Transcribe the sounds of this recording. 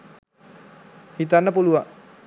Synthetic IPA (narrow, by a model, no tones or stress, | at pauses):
hit̪anapulua